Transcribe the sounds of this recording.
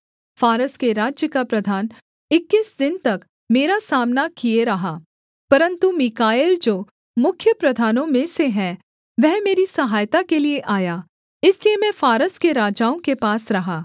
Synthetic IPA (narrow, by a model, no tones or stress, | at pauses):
faːɾəskeɾaːd͡ʒjəkapɾɐd̪ʱaːn | ɪkːɪsd̪ɪnt̪ɐk | meːɾasaːmnakieɾɐɦaː | pɐɾə̃nt̪umɪkaːeːld͡ʒoː | mʊkʰːjəpɾɐd̪ʱaːnõmẽseɦɛ̃ | ʋɛɦmeːɾisɐɦaːjt̪akelieʔaːjaː | ɪsliemɛ̃faːɾəskeɾaːd͡ʒaːõkepaːsɾɐɦaː